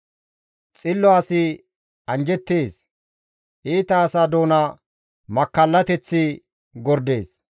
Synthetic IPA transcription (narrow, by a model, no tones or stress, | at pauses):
t͡sʼɪlːɔaːsɪ | ɐnd͡ʒɛt̪ːeːs | ʔiːt̪ɐːsad̪o̞ːnɐ | mɐkːɐlːɐt̪ɛt͡sːɪ | ɡɔɾd̪e̞ːs